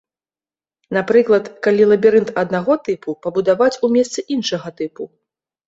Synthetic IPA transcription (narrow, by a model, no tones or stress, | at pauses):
napɾɨklˠɐt̪kalʲilˠɐbʲiɾɨnt̪ɐd̪naɣɔt̪ɨpupɐbud̪avat͡sʲumʲɛst̪sɨʔinʂɐɣɐt̪ɨpu